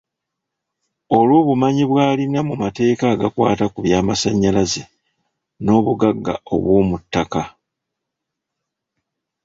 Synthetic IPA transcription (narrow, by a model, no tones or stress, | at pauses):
o̞lwoːβumaɲiβwaːlinamumate̞ːkaɡakwa̰ːtakuβjaːmasaɲːalaze | no̞ːβuɡaɡːa̰o̞̰βwoːmutːaka